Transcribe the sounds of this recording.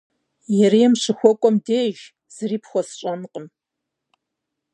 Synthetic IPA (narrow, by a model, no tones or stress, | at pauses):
jɛɾiɛmʂɨxʷɔkʷʼɔmdeːʒ | z̥ɨriːpxʷɔsɕʼɐnqʼəm